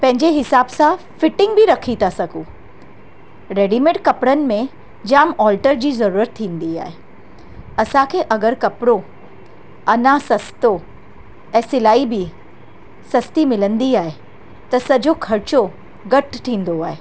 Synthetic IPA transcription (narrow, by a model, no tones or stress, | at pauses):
pɐ̃ɦɪ̃ɲd͡ʑeɦɪsaːbsã | fɪʈɪ̃ŋɡbɪɾɐkʰit̪ʰasɐɡʱuː | ɾeːɖimẽʈkɐpɽənɪ̆mẽ | d͡ʑaːmɔːlʈəɾd͡ʑiːzɐɾuːɾət̪ʰːĩːnd̪ia̰ːɦe | ɐsãkʰeːʔɐɡəɾkɐpɽo | ɐnãsɐst̪o | ɛ̃ːsɪlaːibɪ | sɐst̪imɪlə̃nd̪iaːɦe | t̪ɐsɐd͡ʑokʰɐɾɪt͡ɕo | ɡɐʈtʰːĩːnd̪oaːɦeː